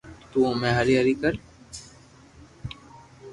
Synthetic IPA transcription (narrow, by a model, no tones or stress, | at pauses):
t̪umɛ̃ɦaɾiaɾikəɾ